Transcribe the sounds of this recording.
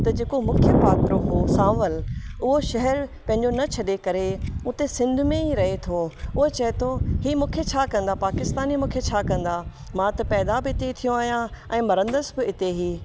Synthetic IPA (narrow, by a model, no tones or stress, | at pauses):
t̪ɐd͡ʑeːkomʊkʰjəpaːt̪ɾoɦosãːʋəlʊɦoʃɐɦɛɾpɐ̃ɦɪ̃ɲd͡ʑonɐt͡ɕʰɐɗekɐɾeʊt̪esɪ̃nd̪ʱmẽiɾɐɦet̪ʰoʊɦet͡ɕɐɦet̪ʰoɦiːmũːkʰet͡ɕʰakɐ̃nd̪apaːkɪst̪aːnimũːkʰet͡ɕʰakɐ̃n̆d̪a | mãt̪ɐpɛːd̪abɪɪt̪et̪ʰijõaːɦijãɛ̃ːmɐɾə̃nd̪əsbɪɪt̪eɦiː